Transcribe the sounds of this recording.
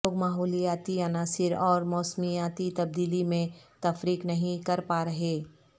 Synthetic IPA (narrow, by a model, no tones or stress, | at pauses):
oːɡmaːɦɔːlijaːt̪iɐnaːsɪɾɔːɾmɔːsmijaːt̪it̪ɐb̚d̪iːlimẽt̪ɐfɾiːknɐɦĩkɐɾpaːɾɐɦeː